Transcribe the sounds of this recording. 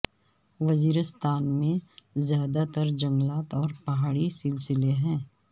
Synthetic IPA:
ʋɐziːɾəst̪ʰaːnmẽzjaːd̪at̪əɾd͡ʒɐ̃ŋɡlaːt̪ɔːɾpɐɦaːɽisɪlsɪleɦɛ̃ː

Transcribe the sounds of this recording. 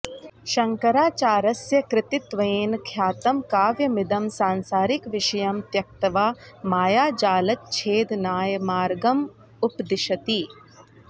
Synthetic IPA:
ʃɐŋkɐɾaːt͡ʃaːɾɐsjɐkɾɪt̪ɪt̪ʋɐeːnkʰjaːt̪ɐmkaːʋjɐmɪd̪ɐmsaːnsaːɾikʋɪʃɐjɐmt̪jɐk̚t̪ɐʋaːmaːjaːd͡ʒaːlɐt̪̚t͡ʃʰeːd̪naːjmaːɾɡɐm | ʊpd̪ɪʃɐt̪iː

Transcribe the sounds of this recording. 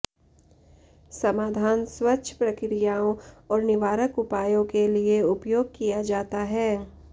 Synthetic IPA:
sɐmaːd̪ʱaːnswɐtːʃʰə̥pɾɐkɾijaːõɔːɾnɪʋaːɾəkʊpaːjõkelieʊpjoːɡ̚kijad͡ʒaːt̪aɦɛː

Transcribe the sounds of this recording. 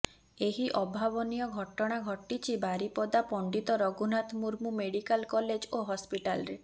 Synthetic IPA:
eɦiʔɔbʱabɔnijɔɡʱɔʈɔɽ̃aɡʱɔʈːit͡ʃʰibaɾipɔd̪apɔɳɖit̪ɔɾɔɡunat̪muɾmumeɽikalkɔled͡ʒoɦɔspiʈalɾe

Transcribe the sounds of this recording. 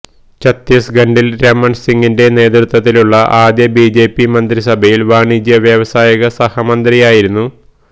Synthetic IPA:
t͡ɕɐt̪ːɐsɡɐɳɖilɾemːɐɳsiŋɡinde̞ne̞ːt̪rut̪wɐt̪ːiluɭːɐʔaːd̪jɐbiːd͡ʑe̞ːpːimɐnd̪ɾisɐbʱɐjilʋaːɳid͡ʑjɐʋjɐʋɐsaːjɐɣɐsɐhɐmɐnd̪ɾijaːjiɾunːu

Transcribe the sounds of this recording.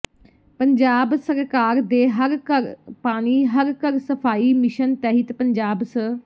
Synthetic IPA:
pəɲd͡ʒaːbsəɾkaːɾd̪eːɦəɾkəɾpaːɽ̃iːɦəɾkəɾsəpʰaːiːmɪʃənt̪ɛːɦɪt̪pəɲd͡ʒaːbsə

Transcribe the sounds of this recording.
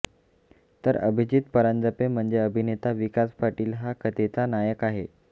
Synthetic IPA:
t̪əɾə̰bʱid͡ʑit̪pəɾand͡zəpem̤əɳd͡zeəbʱinet̪aʋikaspaɾʈiːlɦakʰət̪et͡sanajəkaɦḛ

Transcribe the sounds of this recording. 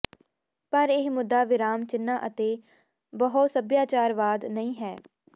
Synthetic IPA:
pəɾɪɦmʊd̪ːaːʋɪɾaːmt͡ʃɪnːaːʔət̪eː | bəɦʊt̪səbjaːt͡ʃaːɾʋaːd̪nəĩːɦɛː

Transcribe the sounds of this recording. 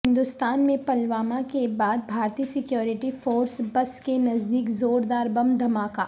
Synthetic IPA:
ɦɪ̃nd̪ʊst̪aːnmẽpɐlʋaːmakebaːd̪̚bʱaːɾt̪iːsɪkjoːɾɪʈifoːɾsbɐskenɐzd̪iːkzoːɾd̪aːɾbɐmd̪ʱɐmaːka̰ː

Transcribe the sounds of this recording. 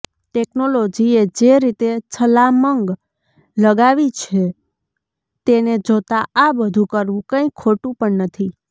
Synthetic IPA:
ʈeknolod͡ʒied͡ʒeɾit̪et͡ʃʰəlaməŋɡ | ləɡaʋit͡ʃʰe | t̪ened͡ʒot̪aʔabəd̪ʱũkəɾʋũkə̃ĩkʰoʈũpəɳnət̪ʰi

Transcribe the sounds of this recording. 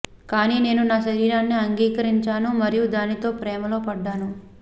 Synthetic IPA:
kaːniːne̞ːnunaːʃɐɾiːɾaːnːiɐŋɡiːkɐɾiɲt͡ʃaːnumɐɾijud̪aːnit̪o̞ːpɾɛːmɐlo̞ːpɐɖːaːnu

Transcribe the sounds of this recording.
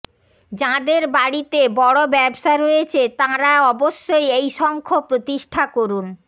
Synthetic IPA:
d͡ʑãd̪eɾbaɽit̪ebɔɽobɛbʃaeɾojet͡ɕʰet̪ãɾaɔboʃːojejʃɔŋkʰopɾot̪iʃʈʰakoɾun

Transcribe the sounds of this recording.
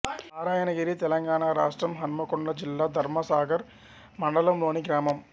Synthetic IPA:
aːɾaːjɐnɐɣiɾit̪ɛlɐŋɡaːɳɐɾa̰ːʂʈrɐmɦɐnmɐkoɳɖɐd͡ʑilːɐd̪ʱɐɾmɐsaːɡɐɾ | mɐɳɖɐlɐmloːɳiɡɾaːmɐm

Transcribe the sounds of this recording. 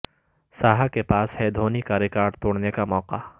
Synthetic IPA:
saːɦakepaːshɛd̪ʱoːnikaːɾjekaːɾt̪oːɽnekamɔːqa

